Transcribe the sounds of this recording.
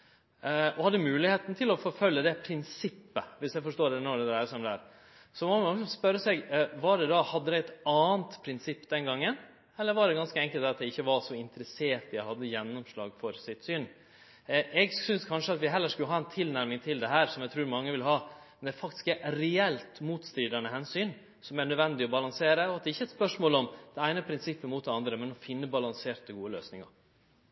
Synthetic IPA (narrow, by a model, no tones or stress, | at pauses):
ɔhɑd̪ːəmʉːlɪheːt̪n̩t̪ʰɪlɔfɔɾfœlːəd̪ɛpʰɾɪnsɪpːəʋɪsjæɪfɔʂʈoːɾd̪ɛnɔɖɛd̪ɾæɪəsɔmd̪æːɾ | sɔmɔɑːəɡɔŋəsmspœɾːəsɛɡʋɑɖɛd̪ɑhɑd̪ːəd̪ɛɛt̪ɑːənt̪pʰɾɪnsɪpːd̪ɛnɡɑŋːən | ɛlːəɾʋɑɖɛɡɑnskəɛŋkəlt̪ɑt̪̚d̪ɛɪçːəʋɑʂɔɪnt̪əɾəseːɾt̪jæɪhɑd̪ːəjɛnːɔmʂlɑ̰ːɡfɔɾsɪt̪syːn | ʔɛɡsʏnskʰɑnʂəɑt̪ʋɪɦɛlːəʂkʉlːəɦɑːɛnt̪ʰɪlnæɾmɪŋt̪ʰɪld̪ɛɦæːɾsɔmjæt̪ʰɾʉːɾmɑŋːəʋɪlɦɑːmɛnd̪æfɑkt̪ɪ̥skɛɾɛɛlt̪muːt̪st̪ɾiːd̪ɑnəɦɛnsyːn | sɔmæɳœd̪ʋɛnd̪ɪɔbɑlɑŋseːɾəɔɑt̪̚d̪ɛɾɪçːəɛt̪spœʂmoːlɔmd̪̥ɛæɪnəpʰɾɪnsɪpːəmuːt̪̚d̪ɛɑnd̪ɾəmɛnɔfɪnːəbɑlɑŋseːʈ̪̚əɡuːəløːsnɪŋɑ̰ɾ